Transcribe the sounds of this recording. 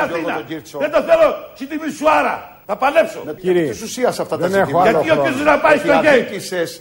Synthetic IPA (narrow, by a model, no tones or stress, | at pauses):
ɐθinɐoiɾsoðend̪oθelosid̪imisuɐɾɐ̰ | θɐpɐlepso̰iɾisusiɐsɐft̪ɐðɐnexoʝɐt̪iokisoznɐpɐist̪oʝeises